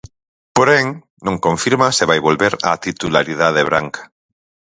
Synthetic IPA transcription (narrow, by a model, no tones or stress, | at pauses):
poɾeŋ | nõŋkõɱfiɾmaseβajβolβeɾa̰t̪it̪ulaɾið̞að̞eβ̞ɾaŋkḁ